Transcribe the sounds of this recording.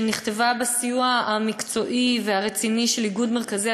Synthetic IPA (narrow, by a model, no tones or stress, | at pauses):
niχt̪e̞vabesijuaamikt͡so̞ʔiveaʁet͡siniʃe̞liɡud̪me̞ʁkazi